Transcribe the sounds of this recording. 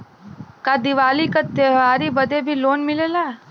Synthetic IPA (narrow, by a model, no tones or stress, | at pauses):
kad̪iʋaːlikat̪eɦʋaːɾibɐd̪ebʱiloːnmɪleːlaː